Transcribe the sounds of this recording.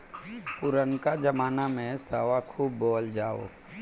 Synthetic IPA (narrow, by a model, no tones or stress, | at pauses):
pʊɾənkad͡ʒəmaːnamẽsaːʋakʰuːbːoːld͡ʒaːo̰ː